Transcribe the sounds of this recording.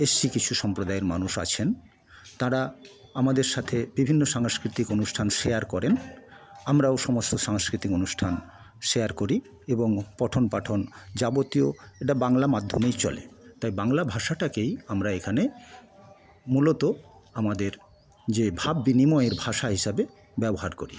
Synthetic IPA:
esikit͡ɕʰuʃɔmpɾod̪aeɾma̰nuʃa̰t͡ɕʰen | t̪aɾa | amad̪eɾʃat̪ʰebibʱinːoʃaŋskɾit̪ikonuʃʈʰanʃejaɾkɔɾen | amɾaoʃɔmost̪oʃaŋskɾit̪ikonuʃʈʰan | ʃeaɾkoɾi | eboŋpɔʈʰonpaʈʰond͡ʑabot̪ioeʈabaŋlamad̪ʱːomejt͡ɕɔ̰lḛt̪ajbaŋlabʱaʃaʈakejamɾaekʰane | mulot̪oamad̪eɾ | d͡ʑebʱabːinimɔeeɾbʱaʃaɦiʃabe | bɛboɦaɾkoɾi

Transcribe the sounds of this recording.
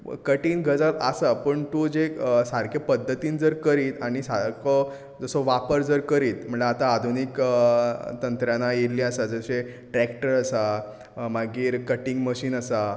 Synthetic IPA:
kəʈiːnɡʱəd͡zəla̰sapəɳt̪ud͡zesaɾkʰepəd̪ʱːət̪iːnd͡zəɾkəɾiːt̪aɽ̃isaɾko | d͡zəsɔʋapəɾd͡zəɾkəɾiːt̪m̤əɳd͡zeat̪aːd̪ʱunik | t̪ənt̪ɾjãnajeliːasad͡zəɕe | ʈɾækʈəɾasa | maɡiːɾkəʈĩŋɡməɕiːnəsa

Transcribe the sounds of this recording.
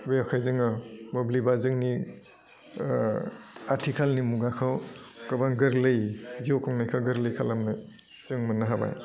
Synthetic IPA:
beɔkʰajzɯŋɯmɔblibazɯŋni | aɾtʰikʰalnimuɡakʰɔwkɯbaŋɡɯɾlɯjziokʰɔŋnajkʰaɡɯɾlɯjkʰalamnaj | zɯŋmɯnaɦaba̰j

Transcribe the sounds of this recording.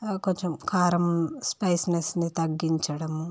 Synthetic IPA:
koɲt͡ʃemkʰaːɾɐmspɐjsnesnit̪ɐɡːiɲt͡ʃɐɽɐmu

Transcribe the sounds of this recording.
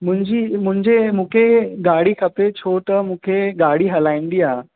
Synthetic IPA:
mʊ̃ɦɪ̃ɲd͡ʑiːmʊ̃ɦɪ̃ɲd͡ʑemũːkʰeɡaːɽikʰəpet͡ɕʰot̪əmũːkʰeɡaːɽiɦɐlaːĩnd̪iːaː

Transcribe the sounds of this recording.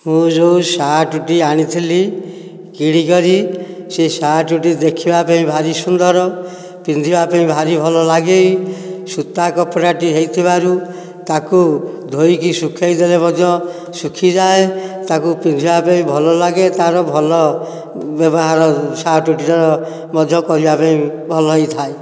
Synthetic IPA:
mũd͡ʒowsaʈuʈiaɽ̃it̪ʰili | kiɽikɔɾisesaʈuʈid̪ekʰibapaĩbʱaɾisund̪ɔɾɔ | pind̪ʱibapaĩbʱaɾibʱɔlɔlaɡejsut̪akɔpɔɾaʈiɦejt̪ʰibaɾu | t̪aku | d̪ʱojikisukʰejd̪elemɔd̪ʱjɔ | sukʰid͡ʒaet̪akupind̪ʱibapaĩbʱɔlɔlaɡet̪aɾɔbʱɔlɔ | bɔbɔɦaɾɔsaʈuʈiɾɔɾɔ | mɔd̪ʱjɔkɔɾibapaĩbʱɔlɔɦit̪ʰae

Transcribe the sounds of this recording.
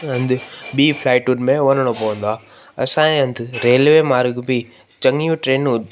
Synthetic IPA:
ɦɐ̃nd̪ʱɪɓiːpʰlaːɪʈʊnmẽʋɐnəɽ̃opɐʋə̃nd̪oaː | ɐ̰sãːẽɦɐ̃nd̪ɪɾeːlʋemaːɾɡbi | t͡ɕɐ̃ŋijũʈɾeːnʊ

